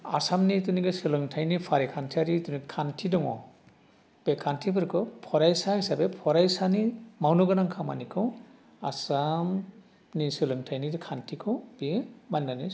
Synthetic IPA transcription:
a̰samnituniɡɯsɯlɯŋtʰajnipʰaɾikʰantʰiaɾitunikʰantʰidɔŋɔ̰ | b̥ekʰantʰipʰɯɾkʰɯpʰɔɾajsahisabepʰɔɾajsanimawnɔɡɯnaŋkʰama̰nikʰɯw | asam | nisɯlɯŋtʰajnidikʰantʰikʰɯbemannani

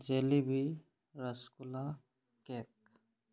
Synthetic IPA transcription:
d͡ʒeːlibi | ɾəskula | kek̚

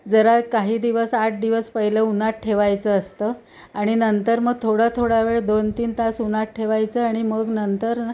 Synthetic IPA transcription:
d͡zəɾakaɦiːd̪iʋəsaʈ̚ʰd̪iʋəspəɦiləunaʈ̚ʈʰeʋajt͡səːst̪əː | aɽ̃inənt̪əɾməɡ̚t̪ʰoɽat̪ʰoɽaʋeɭd̪ont̪iːnt̪asunaʈ̚ʈʰeʋajt͡səːaɽ̃iməɡnənt̪əɾ

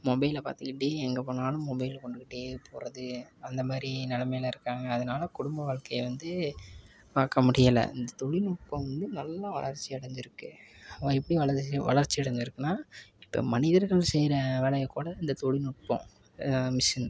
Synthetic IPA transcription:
mɔbɐɪlpa̰ːɾt̪ɯkːɪʈːeɛŋɡɐpoːnaːlɯ̃mɔbɐɪjlkɔɳɖɯkɪʈːepʰoːɾɐðɯɐnd̪ɐmaːɾinɛlɐmɐjɪlɐɪɾɯkːaːŋɡɐːðɐnaːlɐkʊɽʊmbɐʋaːɭkɐjɐʋɐnd̪ɯ | paːkɐmʊɽɪjɐlɐ̰ɪnd̪ɐt̪ɔɻinʊʈ̚pɐ̃ʋɐnd̪ɯnɐlːaʋɐ̰ɭɐɾt͡ʃːiɪɽɐɲd͡ʒɪɾɯkːɯɐɐɪpːɐɽiʋɐɭɐʋɐ̰ɭɐɾt͡ʃːiɛɽɐɲd͡ʒɪɾɯkːɯnaːɪpːɐ̰mɐnɪðɐɾɣɐɭsɛjɾɐʋeːɭɐjɐkːuːɽɐɪnd̪ɐt̪ɔɻinʊʈ̚põ̰ | mɪsɐn

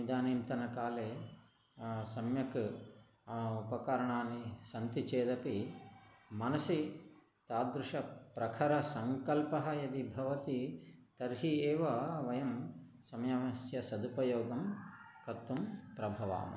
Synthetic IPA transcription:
id̪ʱaːniːmt̪ɐnɐkaːleː | sɐmjɐk | upɐkɐɾɐɳaːnːisɐnt̪it͡ʃeːd̪ɐpi | mɐnɐsi | t̪aːd̪ɾuʂɐpɾɐkʰɐɾɐsɐŋkɐlpɐɦɐ̆jɐd̪ibʱɐʋɐt̪it̪ɐɾɦieːʋɐʋɐjɐm | sɐmɐjɐɐsjɐsɐd̪upɐjoːɡɐm | kɐt̪ːumpɾɐbʱɐʋa̰ːmɐ̰

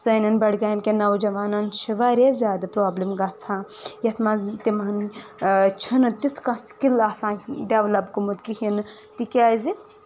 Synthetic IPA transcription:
zɐnɐnbɐɽɡaːimkʲenɐwd͡ʒɐʋaːnɐnʃiʋaːɾezʲjaːd̪apɾoːblimɡɐt͡sʰãjɐt̪ʰmat̪imɐn | t͡ʃʰunɨt̪it̪ʰkãskilasãːɖeʋlɐbkumut̪kihint̪ikʲaːzi

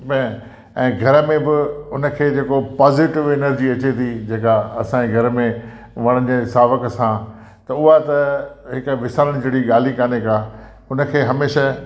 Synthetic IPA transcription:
bɛ̃ː | ɛ̃ːɡʱɐɾəmẽbɪʊnə̆kʰeːd͡ʑeːkopaːzɪʈɪʋɪnəɾd͡ʑiɐt͡ɕet̪ʰid͡ʑeːkaɐsãd͡ʑeɡʱɐɾmẽ | ʋɐɽ̃ə̃d͡ʑesaːʋəkəsã | t̪ɐʊɦat̪ɐɦɪkʋɪsaːləɽ̃d͡ʑeːɽiɠaːl̤ikaːnekaː | ʊnə̆kʰeːɦɐmeːʃa

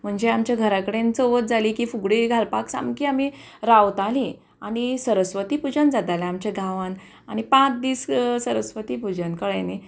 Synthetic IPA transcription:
m̤əɳd͡ʑeamt͡ɕjaɡʱəɾakəɽent͡soʋət̪̚d͡zalikifuɡɽeɡʱalpaksa̰mkiami | ɾawt̪ali | aɽ̃isəɾəsʋət̪ipud͡ʑənd͡zat̪aljaamt͡ɕeɡʱaʋən | aɽ̃ipãt͡sd̪iːssəɾəsʋət̪iːpud͡ʑənkəɭene

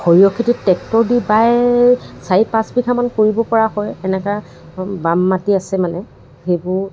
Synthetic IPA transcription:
xoɹiɔkʰititɛk̚tɔɹdibaj | saipasbikʰamankoɹibɔpɔɹaɦɔjɛnɛka | bamːatiasɛmanɛ | xejbʊɹ

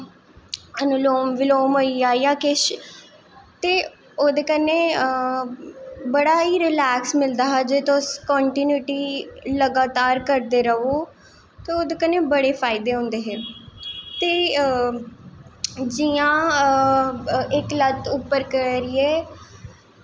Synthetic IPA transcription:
ənʊloːmʋɪloːmɦoːiaːjaːkɪʃ | t̪eː | oːd̪eːkəneː | bəɽaːiːɾɪlɛːksmɪld̪aːɦɛːd͡ʒeːt̪õskɔːɳʈiːnjuːʈiːləɡaːt̪aːɾkəɾd̪eːɾəoː | t̪eoːd̪eːkəneːbəɽeːpʰaːɪd̪eːɦʊ̃ːnd̪eːɦeː | t̪eː | d͡ʒijãː | ɪklət̪ʊpːəɾkəɾɪeː

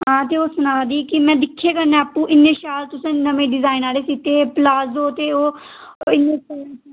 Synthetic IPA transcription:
ɦãːt̪̬eːoːsʊnaːd̪iːkɪmɛ̃ːd̪ɪkʰːeːkəɾneɛːapːũːʔɪnːẽːʃaːlt̪ʊsẽːnəmẽːɖɪzaːɪnaːleːsit̪eːplaːzoːt̪eːoː | ɪnːẽːt͡ʃː

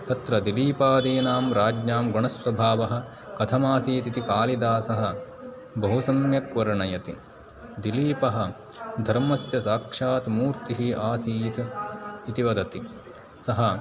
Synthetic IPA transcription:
t̪ɐt̪ɾɐd̪iliːpaːd̪iːnaːmɾaːd͡ʒnaːmɡoɳɐsʋɐbʱaːʋɐɦɐ̆ | kɐt̪ʰɐmaːsiːt̪it̪ikaːlid̪aːsɐɦɐ | bɐɦusɐmjɐkʋɐɾɐɳɐjɐt̪i | d̪iliːpɐɦɐ | d̪ʱɐɾmɐsjɐsaːkʂaːt̪muːɾt̪iɦiʔaːsiːt̪ː | t̪iʋɐd̪ɐt̪i | sɐɦɐ

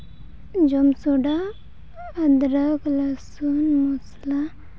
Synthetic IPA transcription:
d͡ʒomsuɽaː | d̪ɾəklasunmusla

